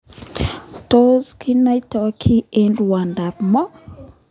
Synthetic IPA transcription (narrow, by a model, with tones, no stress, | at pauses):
tozki˦najtɔkʰi˦ɛndwa˨nda˨pmɔ˦